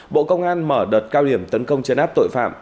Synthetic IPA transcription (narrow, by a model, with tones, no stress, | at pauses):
ɓo̰˧˨kə˧wŋ͡mʔaː˧nməː˧˩ɗəː˨˩t̚kaː˧wɗi˧˩əmt̪ə˨˦nkə˧wŋ͡mt͡ɕə˨˦nʔaː˦˥p̚t̪o̰˧˨jfa̰ː˧˨m